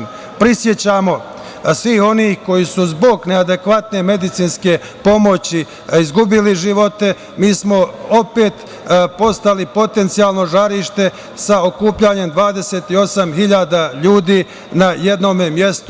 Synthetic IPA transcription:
pɾisje̞t͡ɕaːmo̞ | sʋiːho̞niːhko̞jisuzbo̞ɡne̞ad̪e̞kʋat̪neme̞d̪it̪siːnske̞ | po̞mo̞t͡ɕi | izɡubiliʒiʋo̞t̪e̞ | miːsmo̞o̞pe̞ːt̪ | po̞st̪alipo̞t̪e̞nt̪siaːlˠno̞ʒaɾiːʃt̪e̞ | sao̞kuːpʎaɲe̞md̪ʋaːd̪e̞se̞ːt̪io̞samɦiʎaːd̪aʎuːd̪iː | naje̞d̪no̞ːmemjest̪

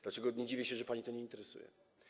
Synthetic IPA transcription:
d̪lat͡ʂɛɡɔɲɛd͡ʑivʲjɛɕɛʐɛpaɲit̪ɔɲɛint̪ɛɾɛsṵjɛ̰

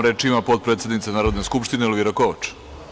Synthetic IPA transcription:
ɾeːt͡ʃimapot̪̚pɾet̪se̞d̪nit̪senaːɾod̪neskupʃt̪inelʋiɾakoʋat͡ʃ

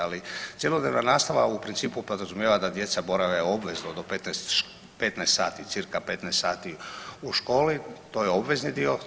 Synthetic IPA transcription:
alit̪sje̞lˠo̞d̪neːʋnanaːst̪aʋa̰upɾint̪siːpupod̪ɾazumjeʋad̪ad̪je̞t̪sabo̞ɾaʋeobʋe̞znod̪opet̪nɛst̪ʃ | pet̪nɛːst̪saːt̪it̪sɨɾkapet̪nɛst̪saːt̪iuʃko̞ːlit̪o̞ːjeo̞bʋe̞znid̪io̞

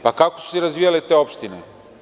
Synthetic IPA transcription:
pakako̥so̥sɛɾɐzviɐlɛt̪ɛɔpʃt̪inḭ

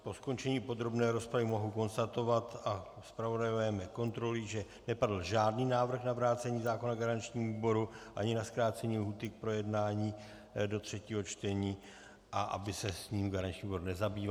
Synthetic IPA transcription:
po̞sko̞nt͡ʃɛɲiːpo̞d̪ɾo̞bnɛːɾo̞spɾavɪmo̞ɦuko̞nst̪at̪o̞vat̪aspɾavo̞dajovɛmɛko̞nt̪ɾo̞lɪʒɛ | nɛpadl̩ʒaːdniːnaːvr̩xnavɾaːt͡sɛɲiːzaːko̞naɡaɾant͡ʃɲiːmvuːbo̞ɾuʔaɲɪnaskɾaːt͡sɛɲilɦuːt̪ɪk̚pɾo̞jɛdnaːɲiː | dot̪r̝̥ɛciːɦo̞t͡ʃt̪ɛɲiː | ʔaʔa̰bɪsɛsɲiːmɡaɾant͡ʃɲiːuboɾnɛzabiːva

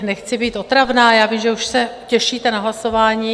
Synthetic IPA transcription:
nɛxt͡sɪbiːt̪o̞t̪ɾavnaːjaːvimʒɛuʃsɛcɛʃiːt̪ɛnaɦlaso̞vaːɲiː

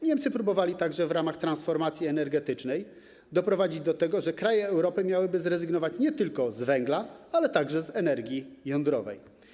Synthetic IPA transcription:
ɲɛmt̪sɘpɾubɔvalʲit̪aɡʐɛvɾamaxt̪ɾansfɔɾmat̪sʲjiɛnɛɾɡɛt̪ɘt͡ʂnɛj | d̪ɔpɾɔvad͡ʑid͡ʑd̪ɔt̪ɛɡɔʐɛkɾajɛːwɾɔpɘmʲjawɘbɘzɾɛzɘɡnɔvat͡ɕɲɛt̪ɘlkɔzvɛŋɡlaalɛt̪aɡʐɛzɛnɛɾɡʲjijɔnd̪ɾɔvɛ̰j

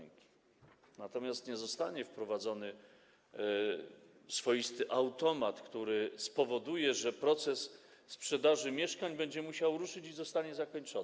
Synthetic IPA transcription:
ŋkʲi̥ | nat̪ɔmʲjast̪ɲɛzɔst̪aɲɛfpɾɔvad̪zɔnɘ | sfɔjist̪ɘʔawt̪ɔmat̪kt̪uɾɘspɔvɔd̪ujɛʐɛpɾɔt̪sɛsːpʂɛd̪aʐɘmʲjɛʂkaɲbɛɲd͡ʑɛmuɕawɾuʂɘt͡ɕizɔst̪aɲɛzakɔɲt͡ʂɔ

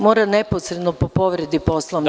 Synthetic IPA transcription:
mo̞ːɾaneposɾe̞d̪nopopo̞ʋɾe̞d̪ipo̞slˠoʋn

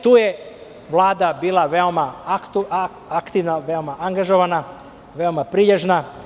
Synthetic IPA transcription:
t̪uːje̞ | ʋlˠaːd̪abiːlaʋeomat̪ | akt̪iʋnaʋeomaʔaŋɡaʒo̞ʋana | ʋe̞omapɾiʎeʒna

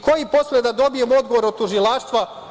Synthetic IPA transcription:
kʰo̞jipo̞slʲed̪ad̪o̞bije̞muo̞d̪ɡo̞ʋo̞ɾot̪uʒilaːʃt̪ʋa

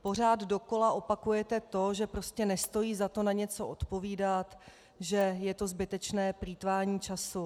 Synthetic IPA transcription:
po̞r̝aːd̪do̞ko̞laʔo̞pakujɛt̪ɛt̪o̞ʒɛpɾo̞scɛnɛst̪o̞jiːzat̪o̞naɲɛt͡so̞ʔot̪po̞viːdat̪ | ʒɛjɛt̪o̞zbɪt̪ɛt͡ʃnɛːpɾiːt̪vaːɲiːt͡ʃasu

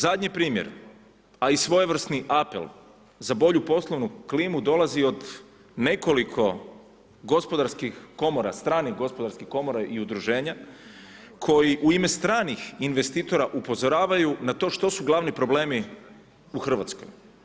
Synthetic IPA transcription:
zad̪ɲepɾiːmjḛɾ | aisʋo̞jeʋr̩st̪niʔapḛlˠ | zabo̞ʎupo̞slˠo̞ʋnukliːmud̪o̞lazio̞d̪ | ne̞ko̞likʰo̞ | ɡo̞spo̞d̪aɾskixko̞mo̞ɾa̰st̪ɾaːniɣɡo̞spo̞d̪aɾskixko̞mo̞ɾaʔiud̪ɾuʒe̞ːɲa | kʰo̞jiʔuime̞st̪ɾaːnixinʋe̞st̪iːt̪o̞ɾaʔupo̞zoɾaːʋajunat̪o̞ːʃt̪o̞suɡlˠaʋnipɾo̞ble̞ːmi | uxr̩ʋa̰t̪sko̞̰j

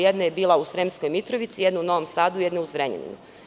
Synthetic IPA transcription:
jed̪nojebiːlˠausɾemsko̞jmit̪ɾoʋit̪sijed̪nouno̞ʋomsaːd̪ujed̪nouzɾeɲḛnḭnu

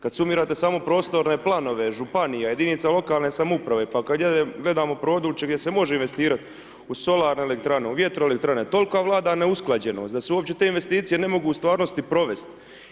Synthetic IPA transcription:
kad̪sumiːɾaːt̪e̞saːmo̞pɾo̞ːst̪o̞ɾne̞plˠano̞ʋe̞ʒupanijaje̞d̪init̪salˠo̞kaːlne̞samupɾaʋe̞pakad̪ɡeɡle̞d̪aːmopɾo̞ːd̪ɾuːt͡ʃe̞ɡdje̞se̞mo̞ʒeinʋe̞st̪iːɾat̪ | uso̞laːɾne̞ːle̞kt̪ɾaneuʋje̞t̪ɾoelek̚t̪ɾanet̪o̞lkaʋlˠaːd̪aneusklad͡ʑe̞no̞̰ːsd̪aseuopt͡ɕe̞t̪eːinʋe̞st̪iːt̪sije̞ne̞mo̞ɡuːst̪ʋaːɾnost̪ipɾo̞ʋe̞st̪

